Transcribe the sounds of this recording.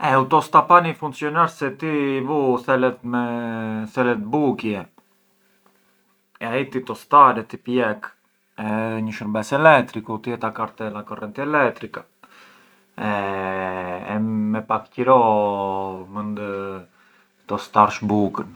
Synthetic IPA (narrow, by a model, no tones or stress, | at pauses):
ɛut̪ɔst̪apanifuŋksjɔnaɾsɛt̪iːvuθɛlɛt̪mɛθɛlɛt̪bukjɛ | ɛait̪it̪ɔst̪aɾɛt̪ipjɛk | ɛðɛɲəʃəɾbɛsɛlɛkt̪ɾikut̪iɛt̪akaɾt̪ɛlakɔrɛnt̪iɛlɛkt̪ɾika | ɛ | ɛmɛpakcəɾɔ | mənd̪ | t̪ɔst̪aɾʃbukən